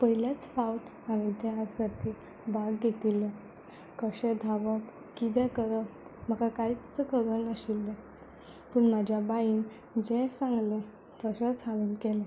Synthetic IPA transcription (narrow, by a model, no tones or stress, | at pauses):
pəɦiljat͡sfaut | aʋet̪ɛasd͡zat̪i | baɡɡet̪ilːə | kəɕed̪ʱaʋəp | kid̪ɛkəɾəm̤əkakait͡sːəkəɾənəɕilːə | pəɳmad͡ʑʱjabaiːn | d͡ʑɛsãŋɡlə | t̪əɕət͡saʋinkɛlɛ̃